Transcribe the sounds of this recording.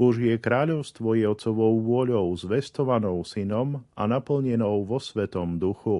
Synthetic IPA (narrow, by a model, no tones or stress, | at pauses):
bɔʒɪɛkɾaːʎɔʊst̪ʋɔjɛɔt͡sɔʋɔʊʋʊɔʎɔʊzʋɛst̪ɔʋanɔʊsinɔmanapl̩ɲɛnɔʊʋɔsʋɛt̪ɔmd̪uxu